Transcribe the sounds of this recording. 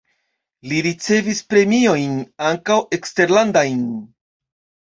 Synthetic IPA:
liɾit͡se̞vispɾe̞mio̞jnaŋkawe̞kste̞ɾlandajn

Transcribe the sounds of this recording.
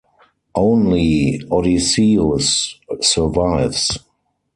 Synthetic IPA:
ʔõʊ̃nliɔɾisiosːə˞vaɪvs

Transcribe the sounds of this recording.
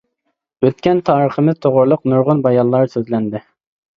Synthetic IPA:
øt̪kʲɛnt̪ʰɑːɾəχəmɪz̥t̪ʰoʁʊɾlˠʊqnuɾʁʊnbɑjɑllˠɑɾsøzlɛnd̪ɪ

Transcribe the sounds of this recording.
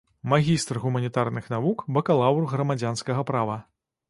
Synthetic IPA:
maɣʲist̪rɣumɐnʲit̪arnɨxn̪avukbɐkalˠawrɣɾɐmad͡zʲanskɐɣɐpɾavɐ

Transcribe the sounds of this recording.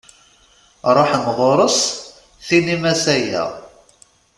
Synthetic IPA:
ɾˤoħmʁˤoɾˤəs | θinimæsæjæ̰

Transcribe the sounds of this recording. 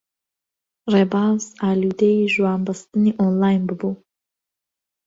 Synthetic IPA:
rɛbawsalʲud̪ejiʒuambɐst̪ɨnʲiʔɔnlˠajnbɨbu

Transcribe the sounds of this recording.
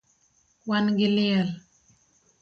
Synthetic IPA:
wanɡɪlɪɛl

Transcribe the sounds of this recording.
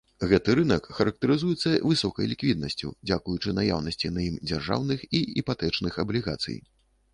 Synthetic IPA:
ɣɛt̪ɨɾɨnɐkːɐɾɐk̚t̪ɐɾɨzujɛt̪sːɐvɨsɔkɐ̰jlʲikvʲid̪nɐsʲt͡sʲṵd͡zʲakujut͡ʂɨnaja̰wnɐsʲt͡sʲinɐjimd͡zʲarʐa̰wnɨxiipat̪ɛt͡ʂnɨxɐblʲiɣa̰t̪sɨ̰j

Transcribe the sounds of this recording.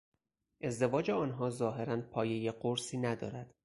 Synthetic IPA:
ʔe̞zd̪e̞vɒːd͡ʒeɒːnɦɒːzɒːɦe̞ɾænpʰɒːjejeɢoɾsiːnæd̪ɒ̰ːɾæd̪̥

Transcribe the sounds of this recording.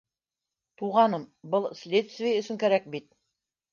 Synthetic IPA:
t̪uʁɑnɤmbɤlˠsʲlʲet̪st̪vʲɪjaɵ̆sɵŋkæɾæk̚bit̪̚

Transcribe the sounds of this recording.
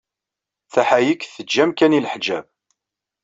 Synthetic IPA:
θæħajikːθəd͡ʒːæmkæniləħd͡ʒæ̰b̚

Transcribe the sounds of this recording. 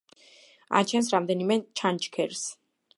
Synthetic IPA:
a̰t͡ʃʰɛnsɾamd̪ɛnimɛt͡ʃʰant͡ʃkʰɛɾs

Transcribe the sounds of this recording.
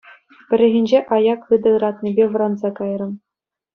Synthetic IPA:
pʲɘ̆ɾʲɘ̆ɣʲĭnʲd͡ʑeʔɑjɑkɯd̪ɤ̆ɯɾɑt̪nʲibʲeʋɤ̆ɾɑnzɑkɑjrɤ̆m

